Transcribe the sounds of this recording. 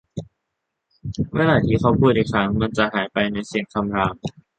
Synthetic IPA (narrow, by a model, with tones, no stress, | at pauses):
weː˧laː˧˩t̪ʰiː˧˩xʰa˧˥˩wpʰuː˥˩t̪̚ʔi˨˧˩kʰɾa˦˥ŋma˧nt͡ɕa˨haː˩˦jpa˧jna˧jsi˨˩əŋkʰa˧mɾaː˧m